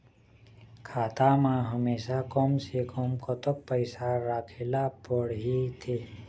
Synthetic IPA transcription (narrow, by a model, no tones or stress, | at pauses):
kʰaːt̪amãɦəmeːsakoːmsekoːmkot̪ok̚pəɪsaɾaːkʰeːlapəɽɦit̪ʰeː